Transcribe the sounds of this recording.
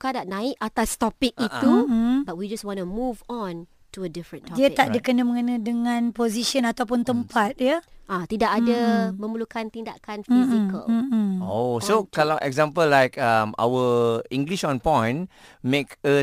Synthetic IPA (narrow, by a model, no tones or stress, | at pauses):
ukadaʔ̚nãɪkat̪ast̪ɔpɪk̚it̪uh̩bat̚wid͡ʒaswɔ̃numuvɔ̃n | tuədifɾə̃ntʰɔdiət̪aʔdəkənəməŋənədəŋãnpoziʃə̃nat̪awp̬ʊnt̪əmpat̪̚jəʔat̪idakadəmə̃məlukant̪inda̰kanfizikə̰l̩osokalaʔɛ̰kzãmpəlːajkama̰wəĩŋɡliʃɔ̃npɔ̃jn | mekə